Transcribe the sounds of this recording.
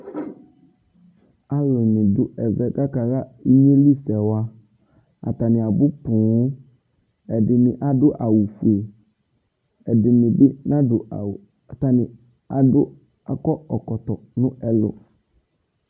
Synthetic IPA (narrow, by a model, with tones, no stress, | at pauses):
a˦lʊ˨nɪ̃˨dʊ˦ɛ˨vɛ˦ka˦ka˨ɣa˦i˦ɲe˦li˦sɛ˨wa˦ | a̰˨t̪a˨nɪ̃˨a˨bʊ˦pũ˨˦ | ɛ˨dɪ˨nɪ̃˨ʔa˨dʊ˦ʔa˨wu˨fu˨e˨ | ɛ˨dɪ˨mɪ̃˨bɪ˦nã˦dʊ˨ | ta˨nɪ̃˨ | a˨dʊ˦ | a˨kɔ˦ɔ˨kɔ˨t̪ɔ˨nʊ̃˦ɛ˦lʊ̰˨